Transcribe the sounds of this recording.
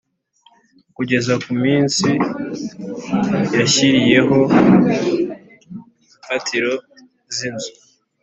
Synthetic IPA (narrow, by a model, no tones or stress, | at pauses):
kuɟe̞zakumiːnsi | jaçiɾije̞ɦo̞ | ɱfatʰiɾo̞ | zinzu